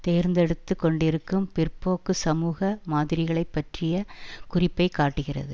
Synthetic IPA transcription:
t̪eːɾnd̪ɛɽɯt̪ːɯkːɔɳɖɪɾɯkːɯmpɪrpoːkːɯsɐmuːɣɐmaːðɪɾɪɣɐɭɐɪpːɐʈrɪjɐkʊrɪpːɐɪkːaːʈːɯɣɪrɐ̰ðɯ

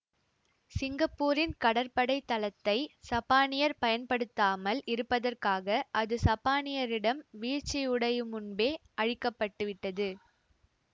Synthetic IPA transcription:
sɪŋɡɐpːuːɾɪnkɐɽɐɾpɐɽɐɪt̪ːɐlɐt̪ːɐɪsɐpaːnɪjɐɾpɐjɐnpɐɽɯt̪ːaːmɐlɪɾɯpːɐðɐrkaːɣɐʔɐðɯsɐpːaːnɪjɐɾɪɽɐmʋiːt͡ʃːɪjʊɽɐjɯmʊnbeːʔɐɻɪkːɐpːɐʈːɯʋɪʈːɐðɯ

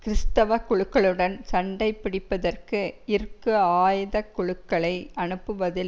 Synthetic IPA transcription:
kɪɾɪst̪ɐʋɐkːʊɻɯkːɐɭɯɽɐnsɐɳɖɐɪpːɪɽɪpːɐðɐrkɯɪɾkːɯaːjðɐkːʊɻɯkːɐɭɐɪʔɐnɯpːɯʋɐðɪl

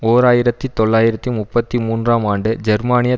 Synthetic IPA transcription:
oːɾaːjɪɾɐt̪ːit̪ɔɭːaːjɪɾɐt̪ːimʊpːɐt̪ːimuːndraːmaːɳɖɯd͡ʒɛɾmaːnɪjɐ

